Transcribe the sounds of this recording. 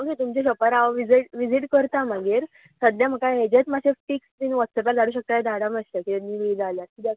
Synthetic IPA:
oket̪umt͡ɕeɕəpaɾaʋʋid͡ziʈʋid͡ziʈkəɾt̪am̤əɡiːɾ | səd̪jam̤əkaɦed͡ʑet͡smaɕefʈiksminʋat͡ssəpaɾd͡zaɽuːɕək̚t̪aed̪ʱaɽaməst̪akiemiːʋid͡zaljaɾid̪ja

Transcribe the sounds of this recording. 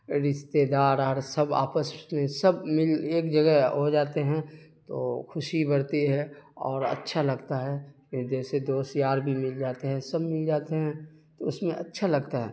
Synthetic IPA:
ɾɪʃt̪ed̪aːɾɦəɾsəba̰ːpəsmẽsɐbmɪleːkd͡ʒəɡɛɦɦod͡ʒaːt̪eɦɛ̃t̪o̰ːkʰʊʃibəɾt̪iɦɛ̃ɔ̰ːɾɐ̰tːʃʰalɐɡt̪aɦɛːkd͡ʒɛːsed̪oːsjaːɾbʱimɪld͡ʒaːt̪eɦɛ̃sɐbmɪld͡ʒaːt̪eɦɛ̃t̪oʊsmẽʔɐtːʃʰalɐɡt̪aɦɛː

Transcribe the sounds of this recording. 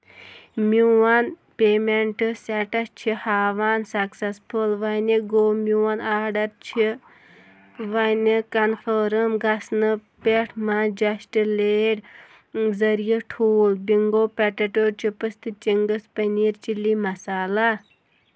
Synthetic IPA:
muwɐn | peːmeɳʈɨsɛʈɐst͡ʃʰihaːʋaːnsɐksɐspʰulʋɐniɡoːmʲuwɐnaːɖɐɾt͡ʃʰi | ʋɐnikɐnfʰoːɾəmɡɐsnɨpeʈʰmad͡ʒɐʃʈɨleːɖ | zɐɾijɐʈʰuːlbiŋɡoːpɛʈɐʈoːɾt͡ʃʰipɨst̪ʰɨt͡ʃiŋɡɨspɐniːɾt͡ʃilimɐsaːla

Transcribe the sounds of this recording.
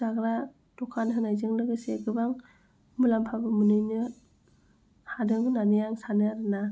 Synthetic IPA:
zaɡɾa | tɔkʰanɦɯnajzɯŋlɯɡɯsekɯbaŋ | mulampʰabɯmɯnɯjnɯ | hadɯŋɯnanɯjaŋsanɯaɾɯna

